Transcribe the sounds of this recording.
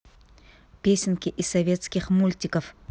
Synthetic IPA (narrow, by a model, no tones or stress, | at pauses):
pʲesʲɪnkʲɪʔɪsɐvʲe̞t̪skʲɪχmulʲtʲɪkəf